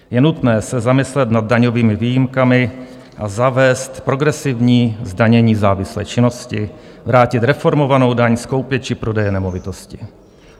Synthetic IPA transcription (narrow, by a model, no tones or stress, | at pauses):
jɛnut̪nɛːsɛzamɪslɛt̪nad̪̚daɲoviːmɪviːjɪmkamɪ | ʔazavɛːst̪pɾo̞ɡɾɛsɪvɲiːzdaɲɛɲiːzaːvɪslɛ̰ːt͡ʃɪno̞scɪ | vɾaːcɪt̪ɾɛfo̞ɾmo̞vano̞wdaɲsko̞wpjɛt͡ʃɪpɾo̞dɛjɛnɛmo̞vɪt̪oscɪ